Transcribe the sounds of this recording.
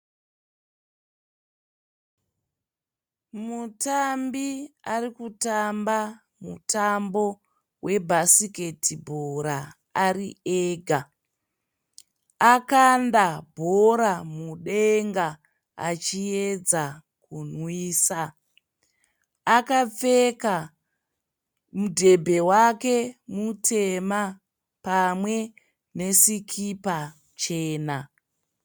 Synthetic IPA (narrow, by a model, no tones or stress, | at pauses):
mutambiarikutamba | mṵtambo̞ | wʔe̞bʱasike̞tibʱoɾa | aɾieɡʱa | akandabʱoɾamuɗeŋɡa | at͡ʃied͡za | kunwiːsa | kap͡feka | mudʱe̞bʱe̞wake̞mutʰe̞ma | pamwe̞ | ne̞sikʰipa | t͡ʃe̞ːna